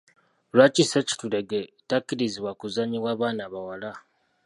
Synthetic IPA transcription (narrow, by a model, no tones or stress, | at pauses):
lwat͡ʃiseci̥tuleɡetakːiɾiziβwakuzaɲiβwaːβaːnaβawala